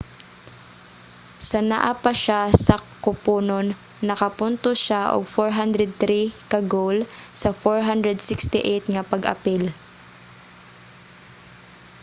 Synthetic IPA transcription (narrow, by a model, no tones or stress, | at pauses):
sɐna̰ʔapaʃasɐkʊpuːnonː | ɐkɐpʊnt̪oʃaʔo̰ɡ̚foɹɦand̪ɾɛd̪̚θɾikɐɡowlsɐfoɹɦand̪ɾɛd̪sɪkst̪ɪʔet̪̚ŋɐpɐɡʔɐ̰pɪl